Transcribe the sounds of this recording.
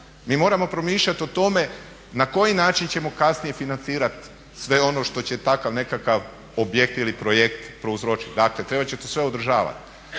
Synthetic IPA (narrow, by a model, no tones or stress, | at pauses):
miːmo̞ːɾamo̞pɾo̞miːʃʎat̪ot̪o̞me̞ | nako̞jinaːt͡ʃint͡ɕe̞mo̞kasnije̞finansiːɾat̪ | sʋe̞o̞no̞ʃt̪o̞t͡ɕe̞t̪akaʋne̞kakaʋ | objekt̪ilipɾo̞jekt̪pɾo̞uzɾo̞t͡ʃi̥t̪d̪aklet̪ɾe̞bat͡ɕet̪osʋe̞od̪ɾ̩ʒaːʋa̰t̪